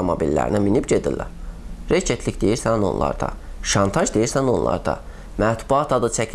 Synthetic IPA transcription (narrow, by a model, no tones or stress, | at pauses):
omobilːæ̰ɾḭnæminibd͡ʒed̪ḭlːæ̰ɾɾet͡ʃʰet̪ʰlicd̪ejiɾsæno̞̰nlˠɑ̰ɾd̪ɑ̰ʃɑnt̪ʰɑʒd̪ejiɾsæno̞nlˠɑ̰ɾd̪ɑ̰ | mæt̪b̥uɑt̪ʰɑd̪ɯt͡ʃʰæcʰ